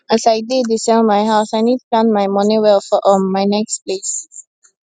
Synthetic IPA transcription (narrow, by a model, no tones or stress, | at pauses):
əsaɪdeːdɪsəmaɪɦaʊsaɪniːd̚plãnmaɪmɔ̃nĩʋefəʔɔmaɪnɛkspleːs